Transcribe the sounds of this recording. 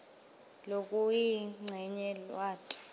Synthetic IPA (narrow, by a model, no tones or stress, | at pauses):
lokʼujiŋ͡ǀʱɛɲɛlwaːǀḁ